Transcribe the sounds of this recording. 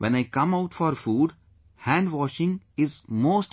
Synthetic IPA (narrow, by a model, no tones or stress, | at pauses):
ʋʔɛ̃naɪkʌ̃maʊʈfɔːɾfuːɖ | hæ̃ɳɖʋɔːʃɪ̃ŋɪzmoːsʈ